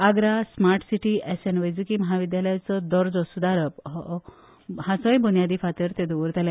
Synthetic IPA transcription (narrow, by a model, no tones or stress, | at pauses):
aɡɾasmaɾʈsiʈiʔɛsenʋəjd͡zukimɔɦaʋid̪jaləjt͡sɔd̪ɔɾd͡zɔsud̪aɾəpɦ | hãsɔjbunjad̪ipʰat̪əɾt̪ed̪uuɾt̪al